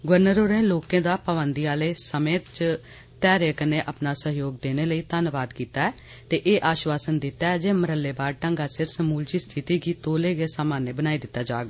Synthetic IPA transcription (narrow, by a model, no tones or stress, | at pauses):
ɡʋəɾnəɾoːɾẽːloːkẽːd̪aːpəʋənd̪iːaːleːsəmẽːt̪t͡ʃ | t̪ɛːɾeːkəneːʔapnaːsəɦjoːɡ̚d̪eːneːləiːt̪ənʋaːd̪kiːt̪aːɛː | t̪eːʔeːʔaːʃʋaːsənd̪ɪt̪ɛːd͡ʒeːməɾəlːeːbaːɾʈə̃ŋɡaːsɪɾsəmuːld͡ʒiːst̪ʰɪt̪iːɡiːt̪oːleːɡeːsaːmaːneːbənaːiːd̪ɪt̪ːaːd͡ʒaːɡaː